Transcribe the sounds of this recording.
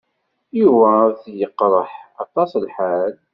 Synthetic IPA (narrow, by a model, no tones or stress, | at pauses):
juvæɾθjəqːɾˤəħɑt̪ˤːɑslħal